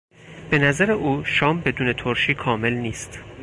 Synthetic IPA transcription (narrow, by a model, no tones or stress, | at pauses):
b̥e̞næzæɾeʔuːʃɒːmbe̞d̪uːne̞t̪ʰoɾʃiːkʰɒːme̞lniːst̪